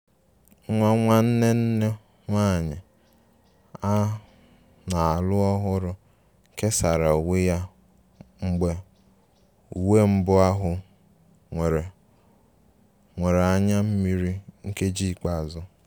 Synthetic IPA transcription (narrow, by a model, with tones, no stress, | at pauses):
ŋʷa˦ŋʷa˦n̩˦ne˦n̩˦ne˦ | ŋʷa˦˨ɲɪ˨ | a˦ | na˨a˨lʊ˦ɔ˦ɦʊ˦ɾʊ˦ | ke˦sa˨ɾa˨u˨we˦ja˦ | ŋ͡m̩˦ɡ͡be˦ | u˨we˦m̩˦bʊ˦a˦ɦʊ˨ | ŋʷe˨ɾe˨ | ŋʷe˨ɾe˨a˦ɲa˦m̩˦mi˦ɾi˦ŋ̩˦ke˦d͡ʒi˦˨k͡pa˦a˨zʊ˦